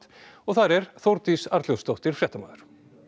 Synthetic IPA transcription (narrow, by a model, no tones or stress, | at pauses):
t̪ɔɣθaɾɛɾθowɾt̪isaɾt̪ljowst̪owht̪ɪɾ̥fɾjɛːht̪ama̰ːðʏɾ̥